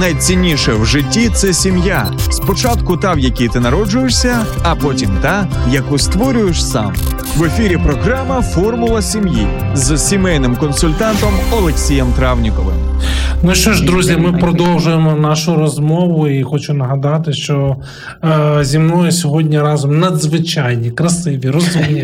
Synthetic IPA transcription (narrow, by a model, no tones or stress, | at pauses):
nɐjt͡sʲinʲːiʃɛwʒɪtʲːit̪sɛsʲimja | spɔt͡ʃat̪kʊt̪ɑwjɐkʲijt̪ɪnɐɾɔd͡ʒʊjeʂsʲɐ | ɐpɔtʲimt̪ɑjɐkust̪ʋɔɾʲʊjeʃsɑ̰m | ʋefʲiɾʲipɾɔɦɾɑmɐfɔrmʊlˠɐsʲimji | zsʲimɛjnɪmkɔnsʊlʲt̪ɑnt̪ɔmɔlˠeksʲijɛmt̪ɾɑwnʲikɔʋɪ̰nuʃt͡ʃɔʒd̪ɾuzʲjɐmɪpɾɔd̪ɔwʒʊjemɔnɑʃʊɾɔzmɔʋʊixɔt͡ʃʊnɐɦɐd̪ɑt̪ɪʃt͡ʃɔ | zʲimnɔjʊsʲɔɦɔdʲnʲiɾɑzɔmnɐd̪zʋɪt͡ʃɑjnʲikɾɐsɪʋʲiɾɔzumnʲi